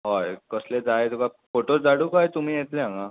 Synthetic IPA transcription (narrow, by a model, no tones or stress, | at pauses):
ɦɔjkəsled͡zaet̪uka | foʈoɾd͡zaɽuːkajt̪um̤iːjet̪lẽɦãŋɡa